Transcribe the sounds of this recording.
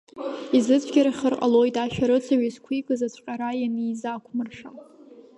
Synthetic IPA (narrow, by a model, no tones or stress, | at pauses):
izɨt͡sʷʰɡʲaɾaχʲərqʼa̰lo̞jtʼaʃᶣaɾɨt͡sʰaɥizkʷʰikʼɨzat͡ɕʷʰqʲʼaɾajanizakʷʰmɨrʂa